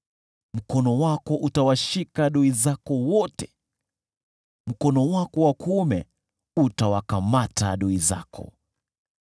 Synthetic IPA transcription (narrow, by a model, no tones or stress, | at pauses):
m̩kɔnɔwakɔʔutawaʃikaɗɔizakɔwɔtɛ̥ | m̩kɔnɔwakɔwakʰumɛ | utawakamata̰ɗɔiza̰kʰɔ̰